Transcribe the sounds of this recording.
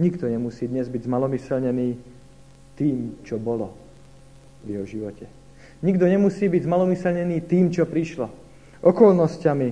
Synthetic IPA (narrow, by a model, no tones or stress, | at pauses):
ɲiɡd̪ɔɲɛmusiːd̪ɲɛzbiɟzmalɔmisɛlɲɛniː | t̪iːmt͡ʃɔbɔlɔ | ʋjɛɦɔʒiʋɔcɛ | ɲiɡd̪ɔɲɛmusiːbiɟzmalɔmisɛlɲɛniːt̪iːmt͡ʃɔpɾiʃlɔ | ʔɔkɔlnɔscami